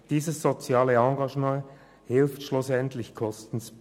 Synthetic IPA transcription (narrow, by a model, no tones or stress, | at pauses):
d̥iːzəsz̥ot͡sjaːləɑŋɡɑʒmɑ̃ | hɪlftʃlʊsɛntlɪçkʰɔstn̩s